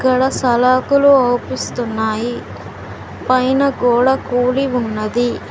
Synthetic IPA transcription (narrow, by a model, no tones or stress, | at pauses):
kːɐɽɐsɐlaːkuluɐwpist̪unːaːji | pɐjnɐɡoɔːɽɐkuːliunːɐd̪i